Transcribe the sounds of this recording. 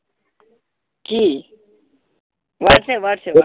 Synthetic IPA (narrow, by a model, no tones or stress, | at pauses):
kiː | ʋaːʈseːʋaːʈseː